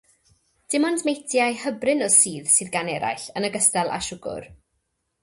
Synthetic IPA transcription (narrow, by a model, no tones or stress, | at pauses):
d̥ɪmɔndmejtʰjajhəbrɪnɔsiːðsɨːðɡanɛɾa̰jɬənəɡəstalˠa̰ʃʊɡʊ̰r